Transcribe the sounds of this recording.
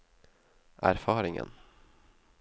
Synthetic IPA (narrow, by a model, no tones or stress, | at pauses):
ʔæ̰ɾfɑːɾɪŋə̰n